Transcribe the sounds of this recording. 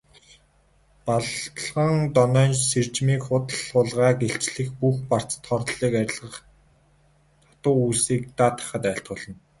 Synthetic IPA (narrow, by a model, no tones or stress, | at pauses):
paɮt̪ɮʁə̆ŋt̪ɔnœːnsert͡ɕmiːkχʊt̪ə̆ɮʊːɮʁaːɡeɬt͡ɕɮɘ̆xpuxpar̥t͡st̪ʰɔrt̪ɮiːkæɾʲɪ̆ɮʁə̆χ | t̪ʰḁt̪ʊːuːsiːk̚t̪aːt̪ʰḁ̆χə̆t̪æːɬt̪̚ɢʊːɮə̆n